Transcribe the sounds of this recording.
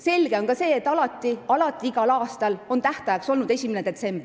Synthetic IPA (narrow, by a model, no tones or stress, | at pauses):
se̞lɡ̥e̞o̞nkɑse̞ːet̪ːˑɑlɑt̪ˑːiɑlɑt̪ːˑiiɡ̥ɑlɑːst̪ɑlo̞nt̪æht̪ɑjɑkso̞lnud̪e̞sʲimened̪̥e̞t̪se̞mbri